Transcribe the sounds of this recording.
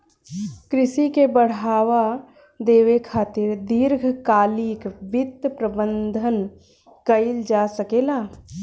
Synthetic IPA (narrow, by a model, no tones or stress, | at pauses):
kɾɪsikebəɽ̤aːʋa | d̪eːʋekʰaːt̪ɪɾd̪ɪɾɡʱkaːlikbɪt̪ːpɾəbə̃nd̪ʱən | kəɪld͡ʒasəkeːlaː